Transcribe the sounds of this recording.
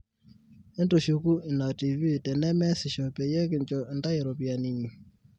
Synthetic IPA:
ɛ˦ndo˨ʃu˨ku˦ɪ˨na˨ti˨vi˦˨tɛ˨nɛ˦mɛ˦sɪ˨ʃɔ˨pɛ˨jɛ˦kɪ˨ɲt͡ʃɔ˨ɪ˨nda˦je˨ɾɔ˨pja˨ni˨ɲi˨

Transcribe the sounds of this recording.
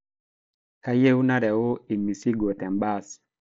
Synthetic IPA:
ka˦je˦u˦na˦ɾɛ˨o˦i˨mi˨si˦ɡo˨tɛ˨mba˦˨s

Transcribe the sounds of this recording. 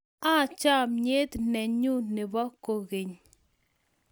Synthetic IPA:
a˦˨t͡ʃa˦˨mɲe˦t̪nɛ˨ɲu˦nɪ˨bɔ˦ko˨ɣe˨ɲ

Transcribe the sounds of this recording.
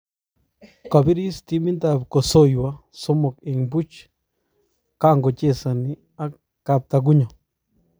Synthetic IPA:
ka˨bi˦ɾi˦st̪i˧˦mĩ˦nd̪a˧˨bko˨so˦jwa˦so˦mõ˨ke˨ŋbu˦t͡ʃ | ka˦˧ŋɡo˨t͡ʃe˦˨sa˨nĩ˦ | a˦ | ka˧t̪a˧ɡ̬u˦ɲõ˨

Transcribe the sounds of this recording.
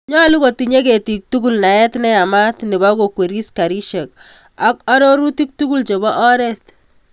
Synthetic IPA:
ɲɔ˦˨lu˦ko˨ti˨ɲe˦ke˨ti˨k̚tu˦ku˦lna˨ɛ˦tnɛ˦a˨ma˦tnɪ˨βa˦ko˨kwe˨ɾi˦ska˨ɾi˦ʃe˨k | a˦kɔ˦ɾo˦ɾu˦ti˦k̚tu˦ku˦lt͡ʃe˨bɔ˦ʔɔ˦ɾɛt

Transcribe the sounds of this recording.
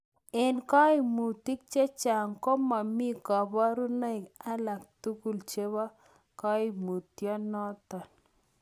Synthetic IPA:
e˨nkɔ˦i˨mu˨ti˦k̚t͡ʃe˦t͡ʃa˨ŋkɔ˦ma˨mi˦kɔ˨bɔ˦ɾu˦na˦ɪ˨ka˦la˨k̚tu˦ku˨lt͡ʃe˦βa˦ | kɔ˦i˨mu˨tjɔ˦nɔ˦tɔ˨n

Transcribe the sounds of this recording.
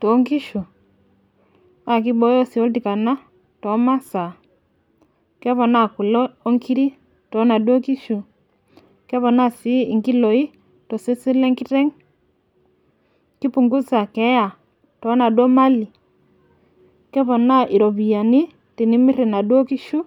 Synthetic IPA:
tɔ˨˦ŋɡi˦ʃu˨ | a˦˨k̬i˦bɔ˦jɔ˦si˨ɔ˦lti˨ka˨na˦ | tɔ˨˦ma˦sa˨ | kɛ˦βɔ˨na˦˨ku˨lɔː˦ŋkʰi˦ɾi˦ | tɔ˨˦na˨dwɔ˦ki˦ʃu˨ | kɛ˦βɔ˨na˦˨si˦i˨ŋɡi˦lɔ˨i˦ | tɔ˨se˦si˦lɛ˦ŋki˦ɾɛ˦ŋ | ki˦pu˨ŋɡu˦sa˨kɛ˨˦ja˨ | tɔ˨˦na˨dwɔ˦ma˦li˨ | kɛ˦βɔ˨na˦ʔi˨ɾɔ˨βi˨a˨ni˦ | ti˨ni˦mi˦ɾɛ˨na˨dwɔ˦ki˦ʃu˦

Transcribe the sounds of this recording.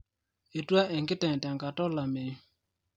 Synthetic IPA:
e˨tu˦a˦ʔɛ˨ŋkɪ˦tɛ˨ta˨ŋka˨tɔ˦la˨me˨

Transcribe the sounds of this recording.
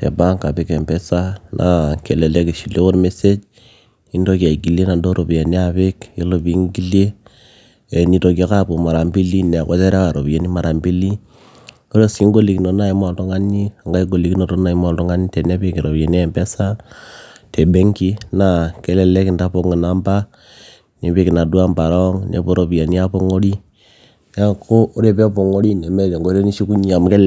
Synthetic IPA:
tɛ̰˨ba˦ŋka˨pi˦kɛ˨mbɛ˦sa˦nʔa˦kɛ˨lɛ˨lɛ˦ki˨ʃi˨lo˦ko˦ɾme˦se˦d͡ʒ | i˦ndo˦ki˨a˨i˨ɡi˨le˦na˨ndo˦ɾʔo˨bi˨je˨ni˦a˨βe˦ki˦lo˨bi˨˦ŋɡi˦lje˦ | ɛ˨ni˨˦to˨k̬a˦ka˦bo˨ma˨ɾa˨mbi˦li˦nɛ˨kɔ˦tɛ˦ɾa˦ka˨ɾo˨be˨ni˦ma˨ɾa˨mbi˦li˦ | ko˦lo˦ski˦ŋɡo˦li˨knɔ˨na˦i˦ma˨ltɔ˦ŋa˦ni˦a˨ŋɡa˦i˦ɡo˨li˨˦ki˦no˨to˦na˨i˦ma˨ltɔ˦ŋa˦ni˦te˨ne˦pe˨ki˨ɾo˨pe˨n˦˨mpe˦sa˦ | te˨be˦ŋki˦na˨ke˦˨lɛ˨le˦ki˨nda˦po˦˨ŋɔ˨na˨˦mba˦ | ne˨˦pe˦ki˨na˨du˦a˦mba˨ɾɔ˦ŋnḛ˨˦po˦ɾo˨pi˨ja˨ni˦a˦po˦ŋo˦ɾi˦ | ja˦ko˦o˦ɾe˦pe˦po˨ŋo˦ɾi˦ne˨me˦te˨ŋɡo˦ɾe˦ni˦ʃi˦ku˦ɲi˦a˨m˨ke˦l

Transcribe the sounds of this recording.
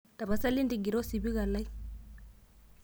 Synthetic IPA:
ta˨ba˨sa˦li˦ndi˨ɡi˨ɾɔ˦si˨bi˦ka˨la˦i˦

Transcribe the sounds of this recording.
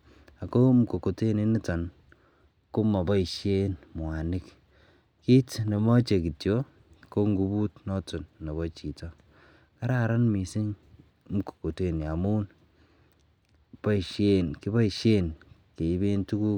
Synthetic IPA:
a˨ko˦m̩˨ko˨ko˨te˦ni˨ni˦ta˨n | ko˦ma˨bɔ˦i˨ʃje˦nmwa˨nɪ˦k | ki˦tnɔ˨mɔ˦t͡ʃe˨ki˨tjo˦ | ko˦ŋɡu˨bu˦tnɔ˦tu˨nːa˨βɔ˦t͡ʃi˨tɔ˦ | ka˦ɾa˦˨ɾa˦nmi˨si˦ŋ | m̩˨ko̥˨ko˨te˦˨ni˨a˨mu˦n | bɔ˦i˨ʃe˦nki˦bɔ˦i˨ʃe˦nke˨i˦be˦ntu˦ku˦

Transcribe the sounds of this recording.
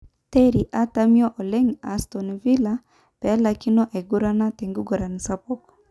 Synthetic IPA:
te˦ɾi˨ʔa˦ta˦mi˦ɔ˦ʔɔ˨lɛ˦ŋa˨stɔ˨n˨vi˦la˦ | pɛ˨˦la˨ki˦nɔ˦ʔɛ˨ɡu˦ɾa˦na˦tɛ˨ŋɡu˦ɡɔ˨ɾa˨ni˨sa˦pɔ˦k

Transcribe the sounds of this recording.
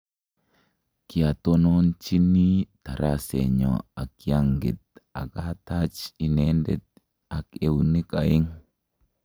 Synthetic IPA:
ki˨at̪o˦no˦nt͡ʃi˦ni˦ta˨ɾʔasḛ˨ɲɔ̰akijaŋɡi˨t̪̚a̰˨kata˦t͡ʃinendɛt̪̚ | ake˨unika˨i˦ŋ

